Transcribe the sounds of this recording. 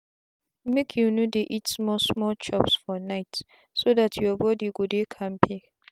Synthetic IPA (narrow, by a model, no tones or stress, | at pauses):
mekʰjunodeʔitsmɔsmɔlt͡ʃɔpsfɔnaɪt | sodatʰjɔbɔdiɡudekʰãmpʰi